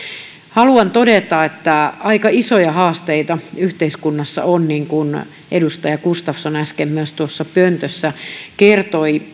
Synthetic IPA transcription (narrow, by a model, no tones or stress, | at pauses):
hɑluɑnt̪odet̪ɑet̪ːæɑikɑisojɑhɑːst̪eit̪ɑyht̪eiskunːɑsːɑ̰onniŋkun | ʔedust̪ɑjɑkust̪ɑfsonæskemːyøst̪uosːɑpønt̪øsːækert̪oi